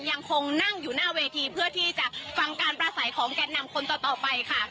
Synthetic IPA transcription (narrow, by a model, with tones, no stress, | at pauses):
ja˧ŋkʰo˧ŋna˥˩ŋjuː˨˩naː˥˩weː˧t̪ʰiː˧pʰɯ˥˩ət̪ʰiː˥˩t͡ɕa˨˩ʔfa˧ŋkaː˧npɾaː˧sa˩˦jkʰɔː˩˦ŋkɛː˧na˧mkʰo˧nt̪ɔː˨˩t̪ɔː˨˩pa˧jkʰa˥˩